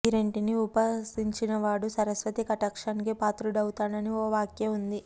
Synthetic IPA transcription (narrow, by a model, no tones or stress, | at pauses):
iɾeɳʈiniupɐsiɲt͡ʃinɐʋaːɽusɐɾɐsʋɐt̪ikɐʈɐkʂɐnkepaːt̪ɾuɽɐwut̪aːnɐnioːʋaːkjɐund̪i